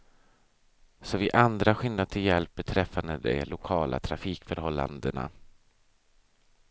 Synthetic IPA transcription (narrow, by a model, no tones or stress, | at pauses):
sɔvɪʔand̪ɾaɧɪnːad̪̚t̪ʰɪljɛlp̚bɛt̪ʰɾɛfːand̪əd̪ɛ̰lʊkʰɑːlʔa̰t̪ʰɾafiːkfœɾhɔlːa̰nd̪əna̰